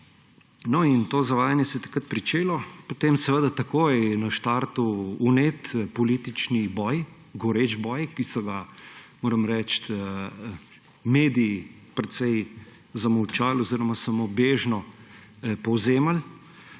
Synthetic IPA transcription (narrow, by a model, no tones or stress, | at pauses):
nɔint̪oːzɐʋaːjanjɛsɛjɛt̪ɐ̥kɾət̪̚pɾit͡ʃeːlɔpot̪emsɛʋəd̪at̪ɐkoːjnɐʃt̪aɾt̪uːnet̪pɔliːt̪it͡ʃnibɔj | ɡɔɾed͡ʒbɔːjkisɔɡamoːɾəmɾɛt͡ʃt̪ə | meːd̪iː | pɾɛt̪sɛj | zɐmɐwt͡ʃaːlɔziɾɔmasamobeːʒnɔ | pɔwzeːmal